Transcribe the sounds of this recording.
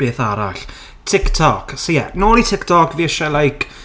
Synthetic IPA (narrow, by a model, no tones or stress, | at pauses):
b̥eːθaɾa̰ɬ | tʰɪktʰɔksojɛnɔːlˠitʰɪktʰɔkʰviəʃalˠajkʰ